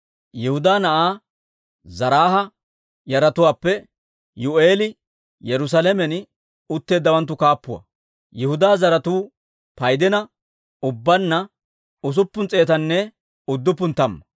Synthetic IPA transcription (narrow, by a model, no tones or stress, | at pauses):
jɛhʊd̪aːnɐʔaː | zɐɾaːɦɐ | jɐɾɐt̪ʊwaːpːɛ | jʊʔeːlɪ | jɛɾʊs̬ɐlɛmɛn | ʊt̪ːe̞ːd̪ːɐwɐnt̪̬ːʊkaːpːʊwɐ̰ | jɛhʊd̪aːzɐɾɐt̪uː | pɐjd̪ɛnɐ | ʊbːɐnːɐ | ʊs̬ʊpːʊnt͡sʼe̞ːt̪ɐnːɛ | ʊd̪ːʊpːʊnt̪ːɐmːɐ